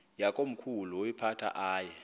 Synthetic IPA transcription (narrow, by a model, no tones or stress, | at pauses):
jakʼom̩kʰuluipʰatʰa̰ʔaːjɛ